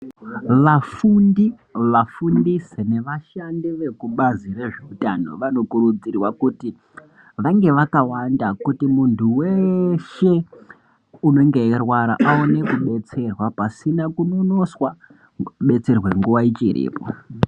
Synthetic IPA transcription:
ʋafundi | ʋafundisene̞ʋaʃandiʋe̞kuɓazire̞ʐeutano̞̰ʋano̞kuɾud͡zirwakuti | ʋaŋɡe̞ʋakawandakutimuntʰuwe̞ʃe̞ | uno̞ŋɡe̞irwaɾa̰ʔaone̞kuɓe̞t͡se̞rwapasinakuno̞no̞swa | ɓe̞t͡se̞rwe̞ŋɡuʋait͡ʃirḭːpo̰

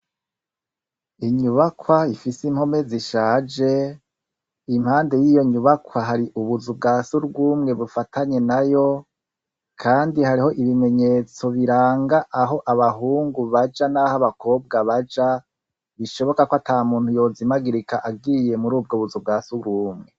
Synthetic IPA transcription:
iɲuβakwaifisim̥ho̞me̞ziʃaːd͡ʒe̞ | im̥haːnde̞jijo̞ɲuβakwaɦaɾiʔuβuzubɡaːsuɾɡuːmŋe̞βufatʰaɲe̞najo̞ | kʰaːndihaɾiho̞ʔiβime̞ɲe̞t͡so̞βiɾaːŋɡaʔːɦo̞ʔaβaɦuːŋɡuβad͡ʒanahaβako̞ːb̚ɡaβad͡ʒa | βiʃo̞βo̞kakoatʰaːmuːnthujo̞ːzimaɡiɾikaʔaɡɡije̞muɾuːb̚ɡoβuzub̚ɡaːsuɡuːmŋe̞

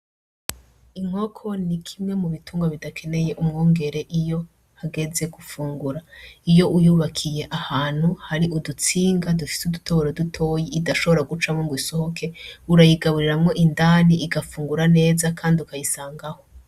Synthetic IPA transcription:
imŋ̥o̞kʰo̞nikʰimŋe̞muβituːŋɡaβidakʰe̞ne̞je̞ʔumŋoːŋɡe̞ɾe̞ʔijo̞ | haɡe̞ze̞ɡufuːŋɡuɾaijo̞ʔujuːβakʰije̞ʔahaːn̥huhaɾiʔudut͡siːŋɡadufi̥sudutʰoβoɾodutʰo̞ːjiidaʃo̞βo̞ɾaɡut͡ʃamoŋɡiso̞ho̞kʰe̞uɾajiɡaβuɾiɾamŋo̞ʔindaːniʔiɡafuːŋɡuɾane̞ːzakʰaːndiukajisaːŋɡaho̞

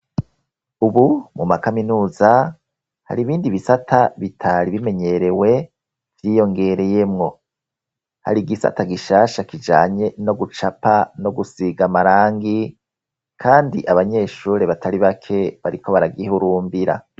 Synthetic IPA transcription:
uβumumakaminuːza | ha̰ɾiβiːndiβisatʰaβitʰaɾiβime̞ɲe̞ɾe̞we̞ | v̥jiːjo̞ŋɡe̞ɾe̞je̞mŋo̞ | ha̰ɾiɡisa̰taɡiʃaːʃakid͡ʒaːɲe̞no̞ɡut͡ʃapano̞ɡusiɡamaɾaːŋɡi | kʰaːndiʔaβaɲe̞ːʃuːɾeβatʰaɾiβakʰe̞βaɾikʰo̞βaɾaɡihuɾuːmbiɾa̰

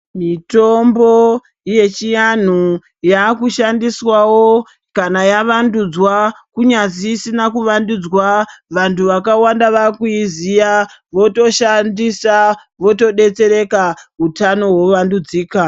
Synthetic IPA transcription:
mito̞mbo | ije̞t͡ʃijan̤u | jakuʃandiswawo | kanajaʋandud͡zwa | kuɲaziːsinakuʋandud͡zwaʋantʰuʋakawandaʋakuizija | ʋo̞to̞ʃandisa | ʋo̞to̞ɗe̞t͡se̞ɾe̞kaɦutano̞wo̞ʋandud͡ziːka

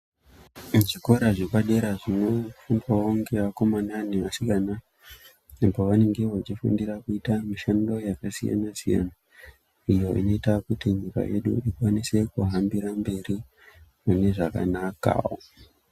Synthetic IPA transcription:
mut͡ʃiko̞ɾaʐikwaɗe̞ɾaʐino̞fundwaoŋɡeʋako̞mananeʋasikana | empoʋane̞ŋɡeʋot͡ʃifṵndirakuitamiʃando̞jakasija̰nasija̰na | ijo̞ʔḭno̞itakutiɲika̰je̞̰ɗṵikwanise̞kuɦambiɾambe̞ri | mune̞ʐaka̰naka̰o

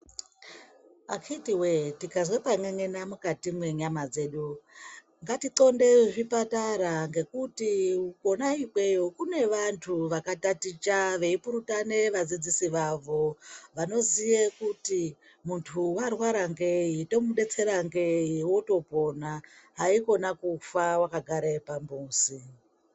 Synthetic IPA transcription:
akʰitiwetikazwepaŋeŋenamukatimwe̞ɲamad͡ze̞ːɗu | ŋɡatiǀo̞nde̞ʐipataɾaŋɡe̞kutiuko̞naiɓwejokune̞ʋantʰuʋakatatit͡ʃaʋe̞ipuɾutane̞ʋad͡zid͡zisiʋaʋo̞ʋano̞zijekuti | muntʰuwarwaɾaŋɡe̞jito̞muɗe̞t͡se̞ɾaŋɡejiwoto̞po̞naɦaiko̞nakufawakaɡʱaɾepambuːsi

